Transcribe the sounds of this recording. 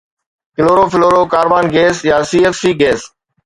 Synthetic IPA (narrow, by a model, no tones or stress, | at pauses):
kɪloːɾoːfɪloːɾoːkaːɾʋaːnɡeːsjaːsiːeːfsiːɡeːs